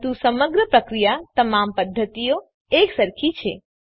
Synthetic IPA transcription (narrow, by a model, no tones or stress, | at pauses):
t̪usɐməɡɾəpɾəkɾijat̪ɐmampəd̪ʱːət̪ijo | eːksəɾkʰit͡ʃʰḛ